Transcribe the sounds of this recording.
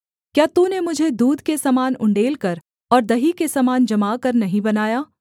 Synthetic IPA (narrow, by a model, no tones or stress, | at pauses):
kjaːt̪ũnemʊd͡ʒʱed̪uːd̪kesɐmaːnʊ̰̃ɳɖeːlkɐɾ | ɔːɾd̪ɐɦikesɐmaːnd͡ʒɐmaːkɐɾnɐɦĩbɐnaːjaː